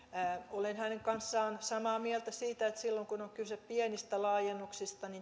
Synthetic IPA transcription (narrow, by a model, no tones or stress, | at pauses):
olenhæneŋkɑnsːɑːnsɑmɑːmiɛlt̪æsiːt̪æet̪silːoŋkunoŋkyseppiɛnist̪ælɑːjenːuksist̪ɑni